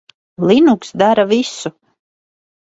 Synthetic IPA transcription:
lˠinuksd̪aɾavisu

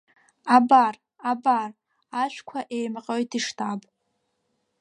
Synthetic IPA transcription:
abar | abar | aʃᶣʷkʷʰaʔejmaqʼojtʰiʂtʰapʼ

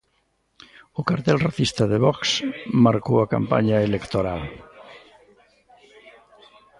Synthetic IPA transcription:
ʊkaɾt̪ɛlraθist̪aðeβɔksmaɾkowaka̰mpa̰ɲaelekt̪oɾal

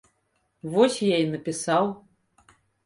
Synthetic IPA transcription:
vɔsʲjainɐpʲisaw

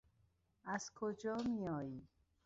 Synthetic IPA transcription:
æz̥kʰod͡ʒɒːmiɒːjiː

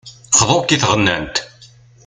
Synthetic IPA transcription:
χðˤoɾk̪iθʁənːæ̰nt̪

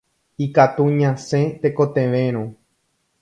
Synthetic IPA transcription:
ikat̪uɲãsẽt̪ekot̪ẽʋẽɾ̃õ

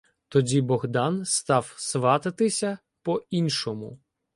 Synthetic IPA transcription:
t̪ɔdʲibɔɣd̪ɑnst̪ɑwsʋɑt̪ɪt̪ɪsʲɐ | pɔinʃɔmʊ

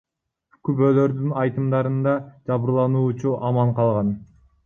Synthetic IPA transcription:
kʰypølø̞ɾd̪ynɑjt̪ɯmd̪ɑɾɯnd̪ɑd͡ʒɑβɯɾlˠɑnuːt͡ʃuʔɑmɑɴqʰɑlˠʁɑn

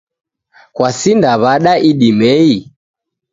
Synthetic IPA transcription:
kwasindaβaɗaʔiɗimɛi

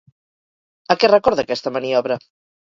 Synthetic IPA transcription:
akɛrəkɔɾðakɛst̪ɐmaniɔβɾɐ

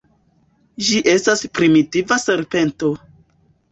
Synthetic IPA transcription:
d͡ʒiʔe̞staspɾimitivase̞ɾpe̞nto̞

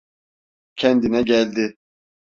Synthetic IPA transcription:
cʰɛnd̪inɛɟælʲd̪i

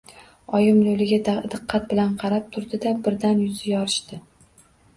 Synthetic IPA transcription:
ɒjɪmlolɪɡʲad̪ad̪ɨqʰːɑt̪̚bɪlanqʰɑɾap̚t̪ʰʊɾd̪ɪd̪abɪɾd̪anjʊzɪjɒɾɪʃt̪ɪ

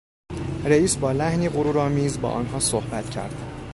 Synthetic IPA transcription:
ɾeiːsbɒːlæhniːɣoɾuːɾɒːmiːzbɒ̰ːʔɒ̰ːnɦɒːsohbæt̪ʰcʰæ̰ɾd̪̥

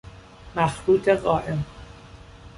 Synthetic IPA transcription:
mæxɾuːt̪ʰeɢɒːʔem

